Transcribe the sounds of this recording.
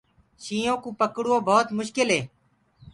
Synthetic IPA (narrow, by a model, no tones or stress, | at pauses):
ʃĩːõːkũːpəkɽuːõːbʱoːt̪mʊʃkɪlɦeː